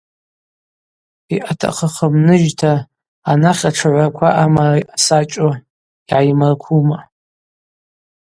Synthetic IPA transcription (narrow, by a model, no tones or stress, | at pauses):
iʔatʰa̰χaχamnɨʒtʰaː | naχʲaʈ͡ʂʰaʕʷakʷʰaʔamaraʔasat͡ʃʼo | iʕajmarkʷʰuma